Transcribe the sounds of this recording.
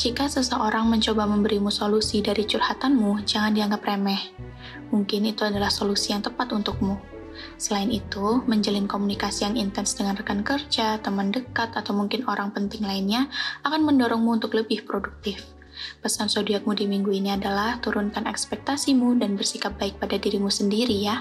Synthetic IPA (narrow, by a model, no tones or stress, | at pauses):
d͡ʒikasəsəʔoɾaŋməɲt͡ʃobaməmbəɾimusolusidaɾit͡ʃurhat̪anmud͡ʒaŋandiaŋɡapremɛh | muŋkɪnit̪uadalahsolusijaŋt̪əpat̪unt̪ʊk̚mu | səlaɪnit̪uməɲd͡ʒəlɪnkomunikasijaŋint̪ɛnsdəŋanrəkankərd͡ʒat̪əməndəkat̪at̪awmuŋkɪnoɾaŋpənt̪ɪŋlaɪnɲaakanməndoɾɔŋmuːnt̪ʊkləbɪhpɾoduk̚t̪ɪf | pəsansodiak̚mudimiŋɡuiniadalaht̪uɾʊnkanɛ̰kspɛk̚t̪asimudanbərsikap̚b̥aɪk̚padadiɾimusəndiɾija